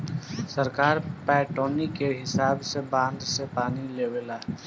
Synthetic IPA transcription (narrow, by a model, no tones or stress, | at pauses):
səɾkaːɾpɛːʈoːnikeɦɪsaːbsebãːnd̪sepaːnileːweːlaː